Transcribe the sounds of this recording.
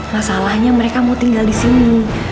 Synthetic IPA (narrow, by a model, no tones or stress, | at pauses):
masalahɲaməɾekamawt̪iŋɡaldisini